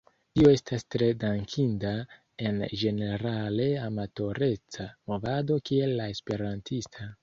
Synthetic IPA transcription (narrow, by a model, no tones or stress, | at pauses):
tio̞e̞stastɾe̞daŋkʰinda | e̞nd͡ʒe̞ne̞ɾale̞amato̞ɾe̞t͡samo̞vado̞kie̞lːae̞spe̞ɾantʰistʰa